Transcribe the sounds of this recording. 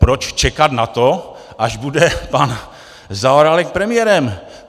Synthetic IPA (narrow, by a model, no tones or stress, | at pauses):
pɾot͡ʃt͡ʃɛkat̪nat̪o | ʔaʒbudɛpan | zaoɾalɛkpɾɛmɪjɛɾɛm